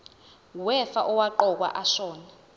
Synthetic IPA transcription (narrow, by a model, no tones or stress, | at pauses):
wɛfaʔɔwaǃɔk̬wa̰ʔaʃɔːna